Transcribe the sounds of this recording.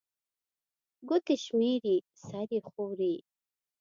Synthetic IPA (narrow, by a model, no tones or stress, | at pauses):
ɡʊt̪eʃmiɾi | saɾixowɾi